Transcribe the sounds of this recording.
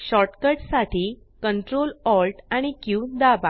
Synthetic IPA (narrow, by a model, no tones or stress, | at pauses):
ɕɔʈkəɾʈsaʈʰiː | kəɳʈɾolɔlʈaɽ̃ikjud̪aba